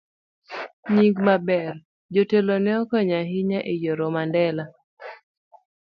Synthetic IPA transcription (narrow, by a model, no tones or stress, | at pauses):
ɲiŋɡmabɛr | d͡ʒotelonɛɔkɔɲaɦɪɲaʔejoɾomandɛla